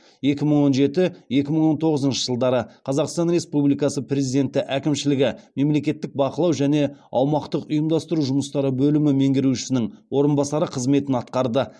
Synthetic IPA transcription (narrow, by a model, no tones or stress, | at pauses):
je̞kʲɪməɴwo̞nʒe̞t̪ɪje̞kʲɪməɴwo̞nt̪ʰo̞ʁəzənʃə̥ʒ̥əlˠd̪ɑɾəqʰɑzɑqst̪ɑnɾe̞spublijkɑsəpɾʲe̞zijd̪e̞nt̪ːɪʔækʲɪmʃɪlɪɡʲɪme̞mle̞kʲe̞t̪ːɪk̚bɑqəlˠɑwʒæne̞ɑwmɑqt̪əqʊjəmd̪ɑst̪əɾuʒʊməst̪ɑɾəbɵlɪmɪme̞ŋɡʲɪɾuʃɪ̥sɪnɪŋwo̞ɾənbɑsɑɾəqʰəzme̞t̪ɪnɑt̪̚qɑɾd̪ə